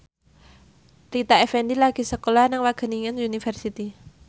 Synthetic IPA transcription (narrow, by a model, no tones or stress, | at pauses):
ɾit̪aɛfɛndilaɡ̥i̤səkolanɪŋwaɡ̥ə̤niŋəniunifərsit̪i